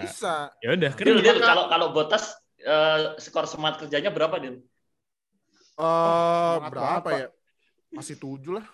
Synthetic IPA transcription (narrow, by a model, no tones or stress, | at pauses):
bisajaudahkdiludɾkalokalobot̪as | əːsə̥kɔɾsəmaat̪̚kərd͡ʒaɲabəɾapadil | əbbəɾɾapaaja | masɪht̪ud͡ʒulah